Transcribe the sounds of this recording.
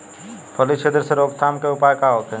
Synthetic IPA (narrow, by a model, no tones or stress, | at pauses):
pʰəlit͡ʃʰed̪əɾseɾoːɡt̪ʰaːmkeupaːjkaɦoːt̪e